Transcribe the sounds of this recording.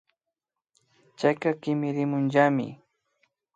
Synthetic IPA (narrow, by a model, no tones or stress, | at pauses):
t͡ʃajkakɪmɪɾɪmʊnʎamɪ̰